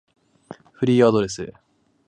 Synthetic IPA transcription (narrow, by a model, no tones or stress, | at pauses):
ɸɯ̟ɾʲiːad̪o̞ɾe̞sɨ